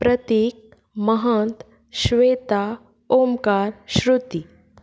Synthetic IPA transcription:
pɾɐt̪iːk̚ | mɐɦɐnt̪ | ʃʋeːt̪a | oːmkaːɾʃɾut̪i

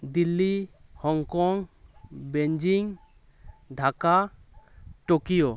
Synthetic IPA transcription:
d̪ilːihɔŋkɔŋbeɲd͡ʒiŋ | ɖʱaka | ʈokijo

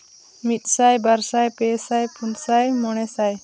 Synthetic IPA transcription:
mit̪̚sajbaɾsajpɛsajpʰunsajmɔɳ̃ɛsaj

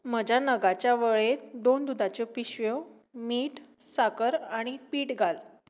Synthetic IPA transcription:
m̤əd͡ʑʱanəɡat͡ɕjaʋəɭed̪ond̪ud̪ʱat͡ɕopiɕʋo | miːʈsakəɾaɽ̃ipiːʈɡʱal

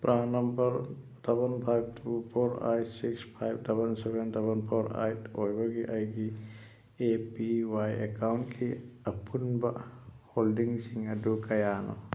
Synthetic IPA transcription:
pɾʔaːnɐmbɐɾ | d̥ɐbɐnpʰajb̚t̪ʰupʰoɾa̰jsikspʰajbdɐbɐnsebendɐbɐnpʰoɾa̰jtojbɐɡiʔɐjɡi | epiwajḛkawɳʈkʰiɐpunbaʔhoːlɖiŋsiŋɐdukɐjaːnɔ̰

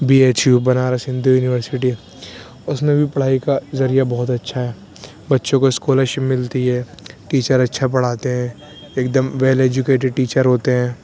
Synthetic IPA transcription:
biːeːt͡ʃjuːbɐnaːɾasɪ̃nd̪ʱujuːnɪʋəɾsɪʈi | ʊsmẽbʱipɐɽ̤aːikazɐɾijabɔɦɔt̪ɐtːʃʰaɦɛː | bɐtːʃõkoɪskoːləʃmɪlt̪iɦɛːʈiːt͡ʃəɾɐtːʃʰap̬ɐɽ̤aːt̪eɦɛ̃ː | eːk̚d̪əmʋeːleːd͡ʒʊkeːʈɪɖ̚ʈiːt͡ʃəɾɦoːt̪eɦɛ̃ː

